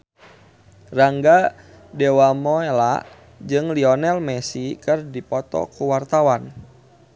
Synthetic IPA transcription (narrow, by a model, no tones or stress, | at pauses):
raŋɡa | dɛwamɔela̰ʔ | d͡ʒɨŋliɔnɛlmɛsikɨrdipɔt̪ɔ̰kuwart̪awan